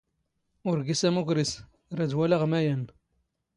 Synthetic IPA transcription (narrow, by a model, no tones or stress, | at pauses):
ʊɾɡisæmukɾis | ɾæd̪wælaʁmæjæn